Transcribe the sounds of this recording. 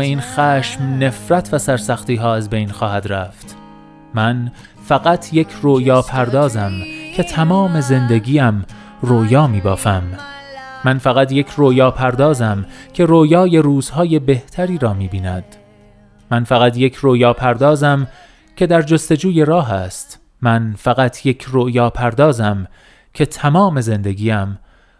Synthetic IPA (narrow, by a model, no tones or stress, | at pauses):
iːnxæːʃmne̞fɾæt̪ʰvæsæɾsæxt̪iːɦɒːæzbe̞jnxɒːhæd̪ɾæːft̪ | mæn | fæɣæt̪ʰje̞cʰroːjɒːpʰæɾd̪ɒːzæmcʰe̞t̪ʰæmɒːme̞ze̞nd̪e̞ɡʲiːæm | rojɒːmiːbɒ̰ːfæmː | ænfæɣæt̪je̞cʰroːjɒːpʰæɾd̪ɒːzæmcʰe̞ɾoːjɒːje̞ɾuːz̥hɒːje̞be̞ht̪ʰæɾiːɾɒːmiːbiːnæd̪̥ | mænfæɣæt̪ʰje̞cʰroːjɒːpʰæɾd̪ɒːzæm | cʰe̞d̪æɾd͡ʒost̪e̞d͡ʒuːje̞ɾɒːɦæst̪ | mænfæɣæt̪ʰjecʰrojɒːpʰæɾd̪ɒːzæm | cʰe̞t̪ʰæmɒːme̞ze̞nd̪e̞ɡiːæm